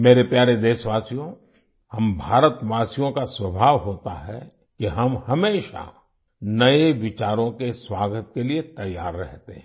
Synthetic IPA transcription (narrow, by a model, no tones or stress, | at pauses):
meːɾepjaːɾed̪eːsʋaːsijõ | hɐmbʱaːɾət̪ʋaːsijõkaswɐbʱaːʋɦoːt̪a̰ɦɛ̰ | kiɦɐmhɐmeːʃa̰ | nɐeʋɪt͡ʃaːɾõkeswaːɡət̪keliet̪ɐjaːɾːɛɦt̪eɦɛ̃